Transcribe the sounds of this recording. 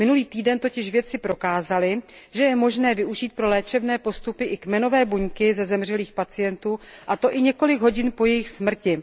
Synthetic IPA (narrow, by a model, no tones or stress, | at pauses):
mɪnuliːt̪iːdɛnt̪o̞cɪʃvjɛt̪t͡sɪpɾo̞kaːzalɪʒɛjɛmo̞ʒnɛːvɪʔuʒiːt̪̚pɾo̞lɛːt͡ʃɛvnɛːpo̞st̪upɪʔɪkmɛno̞vɛːbuɲkɪzɛzɛmr̝ɛliːxpat͡sɪjɛnt̪uːʔat̪o̞ʔɪɲɛko̞lɪɡɦo̞ɟɪnpo̞jɛjɪxsmr̩cɪ